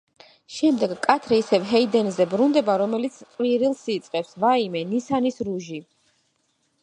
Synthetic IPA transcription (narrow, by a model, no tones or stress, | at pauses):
ʃɛmd̪ɛɡkʼat̪ʰɾɛisɛvɦɛid̪ɛnzɛbɾund̪ɛbaɾɔmɛlit̪sʰqʼwiɾilˠsiːt̪sʼqʼɛpsvaimɛnisanisɾuʒi